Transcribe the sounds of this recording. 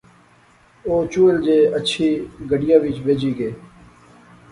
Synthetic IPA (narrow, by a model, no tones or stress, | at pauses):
oːt͡ʃuːɪld͡ʒeːət͡ʃʰiːɡəɖɪjãːʋɪt͡ʃʋeːd͡ʒiːɡeː